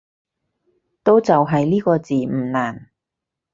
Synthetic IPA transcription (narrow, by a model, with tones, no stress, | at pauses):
t̪o˥wt͡sɐ˨wɦɐ˨jliː˥kɔː˧t͡siː˨m̩˨˩naː˨˩n